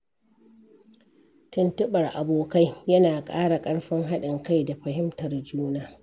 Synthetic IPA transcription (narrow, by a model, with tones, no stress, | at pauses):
tʊ˦ntʊ˦ɓɐ˨rʔa˨boː˨ka˦jjɐ˦naː˨kʼa̰ː˦ɽa˨kʼɐ˦ɽɸɪ˦ŋɦa˦ɗɪ˨ŋka˦jda˨ɸɐ˨hɪ˦mtɐ˨rd͡ʒuː˦naː˦